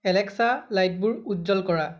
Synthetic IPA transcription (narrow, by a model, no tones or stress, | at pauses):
ɛlɛksalajt̚buɹutzɔlkɔɹa